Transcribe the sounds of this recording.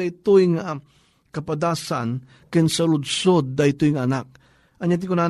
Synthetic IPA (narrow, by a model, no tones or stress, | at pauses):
ajt̪ʊjŋa | kɐpad̪aːsan | kɪnsɐlʊd̪sod̪̚ːajt̪ujŋanak̚ | ʔaɲat̪̬ɪkʊna